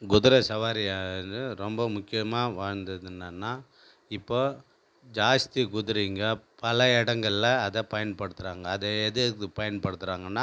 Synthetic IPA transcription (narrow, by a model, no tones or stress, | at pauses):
ɡʊðʊɾɐsɐʋaːɾɪjaɯɾɔmbɐmʊkːɪjɐmaːʋaːɻnd̪ɐðɯnːɐnːaː | ɪpːoː | d͡ʒaːst̪iɡʊðɪɾiŋɡɐpɐlɐɛɽɐŋɡɐɭɪlɐɐðɐpɐjɐnpɐɽɯt̪ːɯɾaːŋɡɐːðɐɛðɯɯpɐjɐnpɐɽɯt̪ːɯɾaːŋɡɐnːaː